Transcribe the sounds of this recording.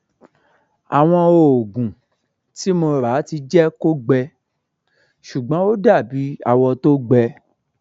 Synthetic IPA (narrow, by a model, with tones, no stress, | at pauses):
a˨w̃ɔ̃˧o˨ɡũ˨ | ti˨˦mo˧ɾa˨˦ti˧d͡ʒɛ˦ko˦ɡ͡bɛ˧ | ʃu˨ɡ͡bɔ̃˨˦o˦da˦˨bi˨˦a̰˦wɔ˧to˦ɡ͡bɛ˧